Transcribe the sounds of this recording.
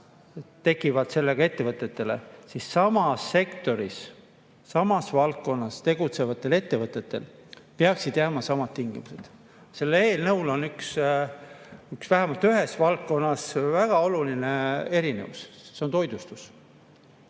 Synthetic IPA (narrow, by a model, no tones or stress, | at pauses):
t̪e̞kːˑivɑd̪̥se̞lːe̞ɡ̥ɑe̞t̪ːe̞vɤt̪ːˑe̞t̪ːe̞le̞̰sisːɑmɑsːe̞kt̪o̞ɾisː | ɑmɑsvɑlkkːo̞nːɑst̪e̞ɡ̥ut̪se̞vɑt̪ːˑe̞le̞t̪ːe̞vɤt̪ːˑe̞t̪ːˑe̞̰l | peɑksid̪̥jæːmɑsɑmɑd̪̥t̪iŋɡimuse̞d̪̥ | se̞lːe̞ːlnɤwlo̞nyks | yksvæɦæmɑlt̪yɦe̞svɑlkko̞nːɑsvæɡ̥ɑo̞luline̞e̞ɾinevusse̞ont̪o̞jd̪ust̪us